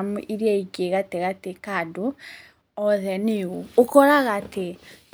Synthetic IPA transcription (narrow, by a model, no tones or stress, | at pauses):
muʔiɾiaiɡeɣateɣatekado | ɔðɛniookɔɾaɣate